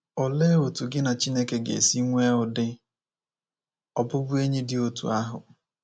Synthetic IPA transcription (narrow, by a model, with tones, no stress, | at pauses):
ɔ˨le˦o˨tu˨ɡɪ˦na˨t͡ʃi˦ne˦ke˨ɡḛ˨si˦ŋʷe˦ʊ˨dɪ˦ | ɔ˨bʊ˦bʊ˦e˦ɲe˦dɪ˦o˨tṵ˨a˦ɦʊ̰˨